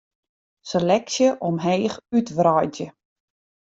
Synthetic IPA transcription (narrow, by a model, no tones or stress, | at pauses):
selɛksjəʔɔmɦeːxytʋrɔjdjə